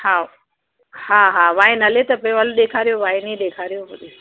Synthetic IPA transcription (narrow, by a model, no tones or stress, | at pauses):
ha | haɦaːʋaːɪnɐlet̪ɐpɐɪ̃ʋaloɗeːkʰaːɾijoʋaːɪnĩɗeːkʰaːɾijoʋɐɗi